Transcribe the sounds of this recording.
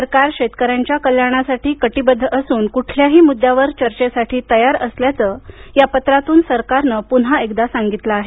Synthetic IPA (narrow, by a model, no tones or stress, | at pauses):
səɾkaɾɕet̪kəɾjaɲt͡ɕjakəljaɽ̃asaʈiːkəʈiːbəd̪ʱːəʔəsuːnkuʈʰljaɦiːmud̪ʱːjaʋəɾt͡ɕəɾt͡ɕesaʈʰiːt̪əjaɾəsljat͡səjapət̪ɾat̪uːnsəɾkaɾnəpun̤ɦaekd̪asaŋɡit̪laaɦe